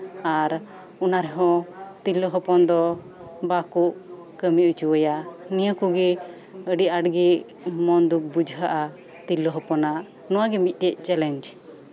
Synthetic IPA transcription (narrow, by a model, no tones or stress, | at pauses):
aɾ | ɔnaɾɛɦɔ̃t̪ilɔɦɔpɔnd̪ɔ | bakuʔ | kəmiut͡ʃuwəjanijəkuɡɛ | əɖiaɖɡɛ | mɔnd̪uk̚bud͡ʒʱɦaʔa | t̪ilːɔɦɔpɔnaʔ | nɔwaɡɛmit̪̚ˀt̪ɛc̚ˀt͡ʃɛlɛɲd͡ʒ